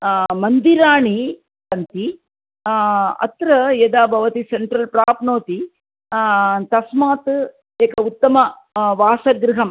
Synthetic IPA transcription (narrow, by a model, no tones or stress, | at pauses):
mɐnd̪iɾaːɳi | sɐnt̪i | ɐ̰t̪ɾɐjɐd̪aːbʱɐʋɐt̪iseɳʈɾɐlpɾaːpnoːt̪i | t̪ɐsmaːt̪ | eːkɐut̪ːɐmɐ | ʋaːsɐɡɾɪɦɐm